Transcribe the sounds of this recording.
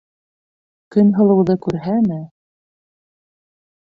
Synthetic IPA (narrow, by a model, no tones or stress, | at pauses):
kɵnɦɤ̆lˠɤ̆wðɤkʉɾɦæmɘ